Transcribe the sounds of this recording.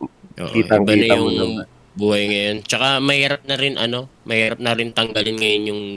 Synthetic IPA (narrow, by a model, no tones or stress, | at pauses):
ʔo̰ʔ̪it̪aŋbɐɐjʊŋ | buɐjŋɐjont͡ʃɐkamɐhiːɾɐp̚nɐɾɪnʔɐnomɐhiːɾɐp̚nɐɾɪnt̪ɐŋɡalɪnŋɐjʊnjʊŋ